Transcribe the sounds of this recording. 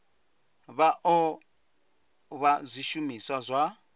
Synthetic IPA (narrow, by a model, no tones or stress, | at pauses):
βaʔɔ | βazʷiʃumiswazʷa